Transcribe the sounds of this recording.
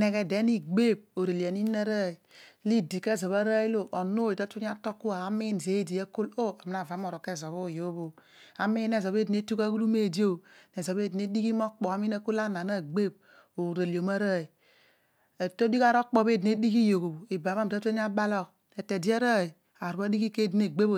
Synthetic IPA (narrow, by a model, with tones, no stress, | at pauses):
ne˨ke˨de˨˦ni˦ɡ͡be˦˨b̚o˨ɾe˨li˨a˨ni˦na˦ɾa˦i˨˦li˦di˨ke˦˨zo˨βa˦ɾa˦i˦lo˦ʔo˨no˦i˨ta˦tu˦ɲ˦a˦to˦kːu˦a˨a˦mi˦n˨ze˨˦i˦di˨a˦ko˦lo˦a˨mi˦na˨va˨˦m˦o˦˨ɾo˨ke˦˨zo˨βo˦˨jo˨˦βo˨ | a˨mi˦ne˨zo˨be˦di˨˦e˦tu˦ka˦ɡu˦lu˦me˦˨di˦o˦ne˨zo˨be˦˨di˨ne˦di˦ki˦mo˦k͡pɔ˨a˦mi˦na˦ko˦la˦na˨na˦˨ɡ͡be˦˨b̚ | o˨ɾe˨li˨o˨ma˦ɾa˦˨i˨ | e˨to˦di˦ka˦ɾo˦k͡po˦˨be˦˨di˨ne˦di˦ki˦jo˨ko˨bo˨i˨ba˨ma˦m˨ta˦to˦ɲ˦a˦ba˦lo˦k̚ | e˨te˨di˦a˦ɾa˦˨i˨ | a˨ɾu˨a˦di˦ki˦ke˦˨di˨ne˨ɡ͡be˦bo˨